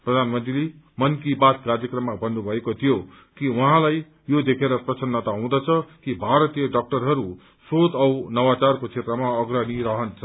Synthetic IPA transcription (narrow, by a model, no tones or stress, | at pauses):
prʌd̪ʱanmʌnt̪rile | mʌnkibat̪̚kard͡zjʌkrʌmːabʌnːubʱʌekot̪ʰijo | kiwuɦãlaj | jod̪ekʰeɾʌprʌsʌnːʌt̪aɦũd̪ʌt͡sʰʌkibʱaɾʌt̪ijʌɖʌk̚ʈʌrɦʌɾu | sot̪ʌwnʌwat͡sarkot͡sʰet̪rʌmaʌɡrʌniɾʌɦʌnt͡sʰʌ